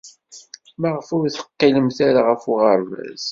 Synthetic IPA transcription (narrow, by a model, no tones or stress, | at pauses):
mæʁfʊɾθə̥qːiləmθaɾaʁəfuʁəɾvæ̰z